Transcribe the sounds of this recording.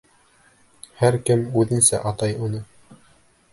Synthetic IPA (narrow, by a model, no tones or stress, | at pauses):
hæɾkɘmʉðɘ̆nsæʔɑt̪ɑjunɤ